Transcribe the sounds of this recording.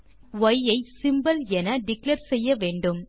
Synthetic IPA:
ʋɐjɐɪsɪmbɐlɛnɐɖɪklɐɾsɛjːɐʋeːɳɖɯm

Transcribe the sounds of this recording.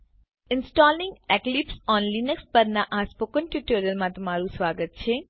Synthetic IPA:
ɪnsʈɔːlnɪ̃ŋɡeklipsɔːnlinəkspəɾnaʔãspokənʈjuʈoːɾijəlmãt̪ɐmaɾũsʋaːɡət̪̚t͡ʃʰeː

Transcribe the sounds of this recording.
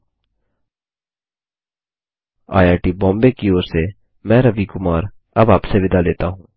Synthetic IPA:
a̰ːjaːʈibɔ̃ːmbekioːɾse | mɛ̃ːɾəʋikʊmaːɾ | ɐbaːpseʋɪd̪aleːt̪aɦũː

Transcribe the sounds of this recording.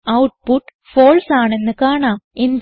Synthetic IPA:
ɐwʈ̚puʈː | foːlsaːɳe̞nːɨkaːɳaːmend̪

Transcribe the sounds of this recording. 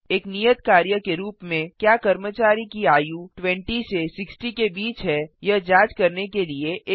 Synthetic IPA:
eːknijət̪kaːɾjəkeɾuːpmẽkjaːkɐɾmət͡ʃaːɾikiaːjuʈʋɛ̃ɳʈisesɪksʈikebiːt͡ʃɦɛjɐɦd͡ʒaːd͡ʒkɐɾnekelieʔː

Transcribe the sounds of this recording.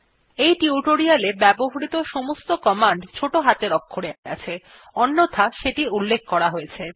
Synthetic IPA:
ejʈiuʈoɾialebɛboɦaɾit̪oʃɔmost̪okɔmaɳɖt͡ɕʰoʈoɦat̪eɾɔkʰːoɽeaa̰t͡ɕʰe | ɔnːot̪ʰaʃeʈiulːek̚ʰkɔɾaɦojet͡ɕʰe

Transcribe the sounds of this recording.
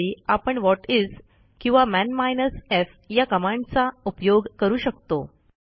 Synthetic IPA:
iapəɳʋɔʈid͡z | kĩw̃ʋamænmajnəsef | jakəmãɳɖt͡saupjoɡkəɾuːɕəkt̪o

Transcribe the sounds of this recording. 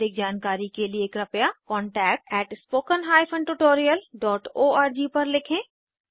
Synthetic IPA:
ɪk̚d͡ʒaːnkaːɾikelieːkɾɐpjakɔ̃ːɳʈɛːk̚ʈɛːʈspoːkənɦaːjpʰə̃ɳɖʈuʈoːɾijəlɖɔːʈoːaːɾd͡ʒiːpɐɾlɪkʰẽː

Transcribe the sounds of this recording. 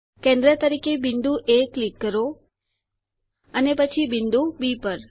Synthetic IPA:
kẽnd̪ɾət̪əɾikebɪnd̪uʔeklikːəɾo | ənepət͡ʃʰibɪnd̪ubipəɾ

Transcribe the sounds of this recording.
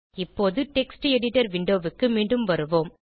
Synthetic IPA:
ɪpːoːðɯʈɛksʈɛɽɪʈɐɾʋɪɳɖoːʋɯkːɯmiːɳɖɯmʋɐɾɯʋoːm

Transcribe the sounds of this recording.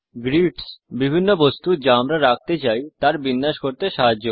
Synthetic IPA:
ɡɾiʈsbibʱinːobost̪ud͡ʑaamɾaɾak̚t̪et͡ɕajt̪aɾbinːaʃkoɾt̪eʃaɦad͡ʑːo

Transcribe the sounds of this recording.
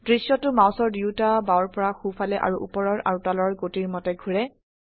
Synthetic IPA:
d̥ɹisjɔtʊmaw̃sɔɹdiutabaɔɹpɔɹaxufalɛʔa̰ɹuʔṵpɔɹɔɹʔa̰ɹutalɔɹɡotiɹmɔtɛɡʱuɹɛ

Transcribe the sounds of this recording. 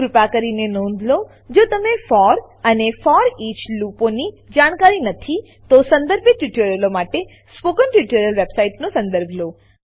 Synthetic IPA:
ɾupakəɾinenɔ̃nd̪lo | d͡ʒot̪əmefɔɾ | ənefɔɾit͡ʃluponi | d͡ʒaɽ̃kaɾinət̪ʰi | t̪osə̃nd̪əɾbʱet̪ːuʈoɾjəlomaʈe | spokənʈuʈoɾjəlʋebsaiʈnõsə̃nd̪əɾbʱlo

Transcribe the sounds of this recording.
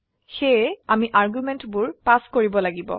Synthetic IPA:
xejamiʔaɹɡumɛntbʊɹpaskoɹibɔlaɡibɔ̰

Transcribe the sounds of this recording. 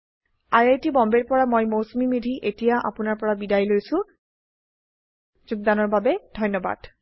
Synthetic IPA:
ajajtibɔmbeɹpɔɹamojmowsmimidʱiʔetijaʔa̰pʊnaɹpɔɹabidajlojsʊ̃ | zuɡ̚danɔɹbabɛd̥ʱɔjnːɔba̰d̥

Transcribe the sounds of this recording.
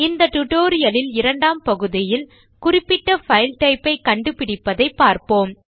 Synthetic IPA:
ɪnd̪ɐʈʊʈoːɾɪjɐlɪlɪɾɐɳɖaːmpɐɣɯðɪjɪl | kʊrɪpːɪʈːɐfɐɪlʈɐɪpːɐɪkɐɳɖɯpɪɽɪpːɐðɐɪpːaːɾpoːm

